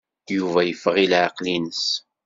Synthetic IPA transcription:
juvæjəfːəʁilʕɑqlinəs

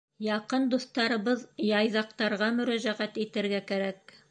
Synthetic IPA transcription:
jɑqɤnd̪uθt̪ɑɾɤ̆βɤðjɑjðɑqt̪ɑɾʁɑmɵ̆ɾæʒæʁæt̪it̪ɘ̆ɾɡækæɾæk

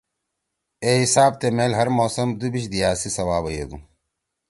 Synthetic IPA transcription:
eːɦisaːb̚t̪emeːlɦɐɾmoːsɐmd̪ubiɕd̪ijaːsisɐwaːbɐjeːɡ̪u

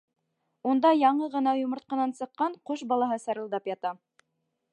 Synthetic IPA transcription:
und̪ɑjɑɴɤʁɤ̆nɑjŏmɤ̆ɾt̪̚qɑnɑnsɤ̆qːɑɴqoʃbɑlˠɑɦɤsɑɾɤ̆lˠd̪ɑpjɑt̪ɑ

